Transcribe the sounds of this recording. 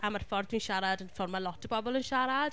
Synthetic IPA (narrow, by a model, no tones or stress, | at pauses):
amarfɔrdwinʃaɾadənfɔrmalˠɔtʰəbɔbɔlˠənʃaɾad̥